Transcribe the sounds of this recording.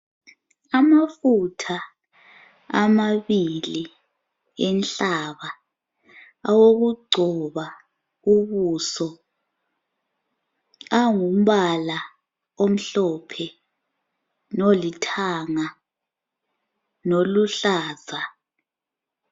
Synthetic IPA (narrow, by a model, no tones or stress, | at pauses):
amafutʰa | amaβili | ɛnɬaβa | awoɣuɡ͡ǀʱɔβa | uβusɔ | aŋum̩βala | om̩ɬɔpʰɛ | nolitʰaŋa | noluɬaːzʱa